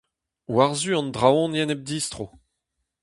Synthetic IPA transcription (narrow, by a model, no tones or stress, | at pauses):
waʁzyɑ̃nd̪ʁawɔ̃njɛnɛb̚d̪iːst̪ʁo